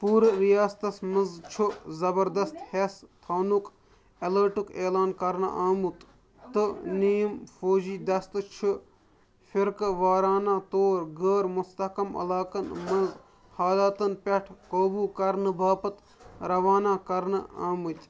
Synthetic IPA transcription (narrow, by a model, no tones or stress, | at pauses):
puːɾɾijaːst̪ɐsmɨnzt͡ʃʰuzɐbɐɾd̪ɐst̪hest̪ʰɐːnuk | ɐləːʈukeːlaːnkɐɾnɨ̰ʔaːmut̪ | t̪ɨnijmfoːd͡ʒiːd̪ɐst̪t͡ʃʰu | fiɾkʋaːɾaːnãːt̪oːɾɡəːɾmust̪ɐkɐmɐ̰laːkɐnmɐnz | haːlaːt̪ɐnpʲɐʈʰkoːbuːkɐɾnɨbaːpɐt̪ | ɾɐʋaːnaːkɐɾnɨaːmɨt̪ʲ